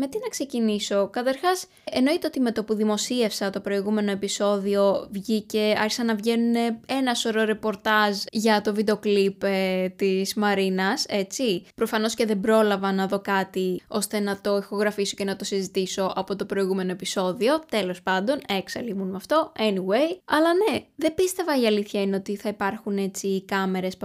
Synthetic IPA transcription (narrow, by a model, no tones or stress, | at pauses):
me̞t̪inɐkse̞ciniso̞kɐt̪ɐɾxɐs | eno̞it̪eot̪ime̞t̪opuðimo̞sie̞fsɐt̪o̞pɾo̞iɣume̞no̞e̞piso̞ðio̞vʝice̞ɐ̰ɾçisɐnɐvʝe̞nune̞enɐso̞ɾo̞ɾe̞po̞ɾt̪ɐzʝɐt̪o̞vid̪eoklipt̪izmɐɾinɐse̞t͡sipɾo̞fɐno̞sce̞ðe̞bɾo̞lɐvɐnɐðo̞kɐt̪io̞st̪e̞nɐt̪o̞ixo̞ɣɾɐfiso̞ce̞nɐt̪o̞sizit̪iso̞ʔɐpo̞t̪o̞pɾo̞iɣume̞noe̞piso̞ðio̞t̪e̞lo̞spɐnd̪o̞neksɐlimunmɐft̪o̞e̞niwe̞jɐlɐne̞ðe̞bist̪e̞vɐiɐliθçɐineo̞t̪iθɐipɐɾxune̞t͡sikɐme̞ɾe̞s